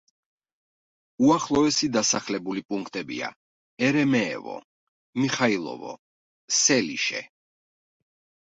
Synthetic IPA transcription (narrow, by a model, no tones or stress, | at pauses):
uaχlˠɔɛsid̪asaχlɛbulipʼuŋkʰt̪ʼɛbḭa̰ | ɛɾɛmɛ̰ːvɔ̰ | miχailˠɔ̰vɔ̰ | sɛlḭʃɛ̰